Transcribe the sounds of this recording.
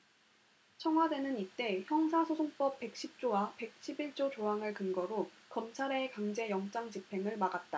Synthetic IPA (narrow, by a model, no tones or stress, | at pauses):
t͡ɕʰʌŋɦwade̞nɯnit͈e̞çjʌŋs̬ʰasʰosʰoŋp͈ʌp̚p͈e̞k̚ɕ͈ʰip̚t͡ɕ͈owape̞k̚ɕʰibiɭt͡ɕ͈ot͡ɕoɦaŋɯɭkɯnɡʌɾo | kʌmt͡ɕʰaɾeːkaŋd͡ʑe̞jʌŋt͡ɕ͈aŋd͡ʑipʰe̞ŋɯɭmaɡat̚t͈a